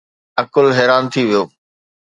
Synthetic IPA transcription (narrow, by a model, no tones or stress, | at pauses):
ɐkʊlɦɛːɾaːnt̪ʰiʋijoː